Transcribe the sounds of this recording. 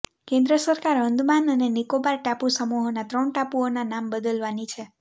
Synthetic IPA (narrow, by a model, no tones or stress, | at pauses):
kẽnd̪ɾəsəɾkaɾənd̪ʱmanənenikobaɾʈapusəmuɦonat̪ɾəɳʈapuonanambəd̪əlʋanit͡ʃʰe